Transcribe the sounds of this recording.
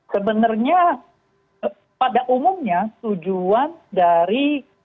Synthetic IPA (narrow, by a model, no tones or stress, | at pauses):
səbənərɲa | padaʔumʊmɲat̪ud͡ʒuandaɾi